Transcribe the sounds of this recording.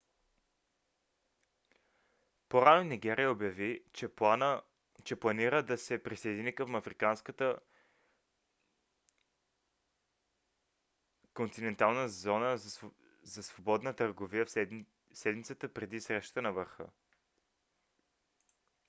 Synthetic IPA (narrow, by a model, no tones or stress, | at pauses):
poɾanoniɡ̟ɛɾiəobjɐvit͡ʃɛn | t͡ʃɛplˠɐniɾəd̪ɐsɛpɾisɐjd̪inikəmɐfɾikanskət̪ə | kont̪inɛnt̪alˠnəzɔnə | zɐsvobɔd̪nət̪əɾɡovijəf | sɛd̪mit̪sət̪əpɾɛd̪isɾɛʃt̪ə̥t̪ənɐvəɾxɤ̰